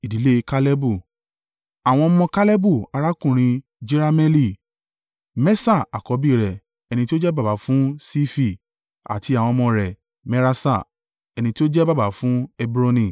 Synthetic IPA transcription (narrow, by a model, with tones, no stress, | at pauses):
i˨di˨˦le˦˧ka˦lɛ˦bu˦˨ | a˨w̃ɔ̃˧ɔ˧mɔ̃˧ka˦lɛ˦bu˦˨a˧ɾa˦kũ˦˨ɾ̃ĩ˧ | d͡ʒi˦ɾa˧mɛ˦li˦˨ | mɛ˦sa˦˨a̰˨kɔ˨˦bi˦˨ɾɛ˨ | ɛ˧nĩ˧ti˦o˦d͡ʒɛ˦ba˦˨ba˨˦fũ˦si˦fi˦˨ | a̰˨ti˧a˨w̃ɔ̃˧mɔ̃˧ɾɛ˨ | mɛ˧ɾa˧sa˦˨ | ɛ˧nĩ˧ti˦o˦d͡ʒɛ˦ba˦ba˨˦fũ˦ɛ˦bɾo˧nĩ˧˨